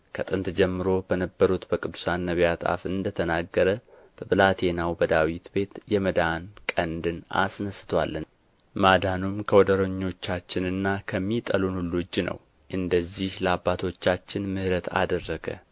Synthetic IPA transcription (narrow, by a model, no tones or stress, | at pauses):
kʰət̪ʼɨnt̪d͡ʒɛmːɨɾo̞bənəbːəɾut̪bəkʼɨd̪ːu̥sanːəβjat̪ʼa̰fɨnd̪ət̪ʰənaɡːəɾə | b̥əβɨlat̪ʰe̞nawbəd̪awit̪be̞t̪jɛməd̪ankʼənd̪ɨna̰snəsɨ̥t̪ʰwa̰lːɨn | mad̪anumkʰəwɔd̪əɾəɲːo̞t͡ʃːat͡ʃːɪnɨnːakʰəmːit̪ʼəlunulud͡ʒːnə̰w | ʔɨnd̪əzːihləabːat̪ʰo̞t͡ʃːat͡ʃːɪnmɨhɾət̪ʰa̰d̪ərːəɡə̰